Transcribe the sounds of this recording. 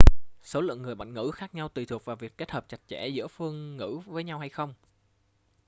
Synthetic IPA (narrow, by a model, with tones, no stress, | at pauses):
so˨˦lɨ̰˧˨əŋːɨ˨˩əjɓa̰˧˨ŋŋɨ̰˧˥xaː˦˥k̚ɲa˧wt̪i˨˩t̪ʰu˨˩k̚vaː˨˩vi˨˩əkːe˦˥t̚həː˨˩p̚t͡ɕa˨˩jt̚t͡ɕɛ̰˧˩zɨ̰˧˥əfɨ˧əŋːɨ̰˧˥vəː˨˦jɲa˧wɦa˧jxə˧wŋ͡m